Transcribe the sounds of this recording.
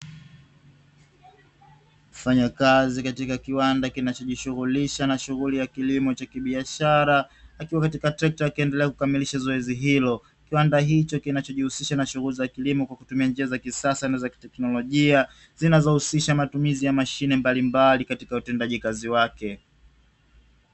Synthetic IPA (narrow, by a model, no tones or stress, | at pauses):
kfaɲakazikatikakiwandakinat͡ʃɔʄiʃuɣuliʃanaʃuɣulijakilimɔt͡ʃakiɓiaʃaɾaːkiwakatikatɛk̚takiɛndɛlɛakukamiliʃazɔɛziɦilɔ | kiwandaɦit͡ʃɔkinat͡ʃɔʄihusiʃanaʃuɣulizakilimɔkwakutumiand͡ʒiazakisasanazaki̥tɛknɔlɔʄia | zinazɔhusiʃamatumizijamaʃinɛmbalimbalikatikautɛndaʄikaziwakɛ